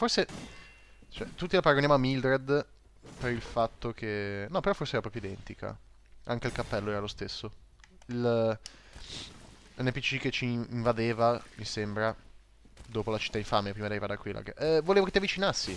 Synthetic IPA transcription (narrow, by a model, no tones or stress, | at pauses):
forse | t͡ʃoɛ̰t̪ut̪ːilapaɾaɡonjamoamːild̪ɾɛd̪ | peɾilfat̪ːok̟ʰenɔpeɾɔforseɛːɾapɾɔːpjoid̪ɛnt̪ika̰ | aŋk̟eilkapːɛlːoɛːɾalost̪esːo | il | ɛnːɛpit͡ʃiket͡ʃiːɱvad̪eːvamisembɾa | d̪oːpolat͡ʃi̥t̪ːaiɱfamepɾimad̪eɾivad̪akwila̰ɡʔɛvoleːvoket̪iavːit͡ʃinasːi